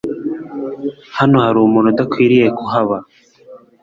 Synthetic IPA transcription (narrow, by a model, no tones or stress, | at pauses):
hanohaɾuːmunod̪akʰwiːɾijekuɦaβa